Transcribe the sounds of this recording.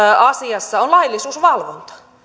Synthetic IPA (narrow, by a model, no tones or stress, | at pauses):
ɑsiɑsːɑonlɑilːisuːsʋɑlʋont̪ɑ̥